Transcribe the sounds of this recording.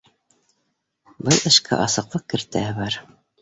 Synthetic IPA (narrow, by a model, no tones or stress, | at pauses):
bɤlˠʔɘ̆ʃkʰæ̰ʔɑsɤ̆qlˠɤq̚kɘ̆ɾt̪æɘβɑɾ